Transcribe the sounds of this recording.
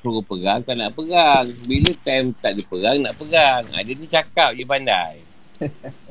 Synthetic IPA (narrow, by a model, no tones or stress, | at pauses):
puɡupəɡaŋkanaʔpəɡaŋbilət̪amt̪aʔdipəɡaŋnaʔpəɡaŋa̰dənit͡ʃakap̚dipanda̰j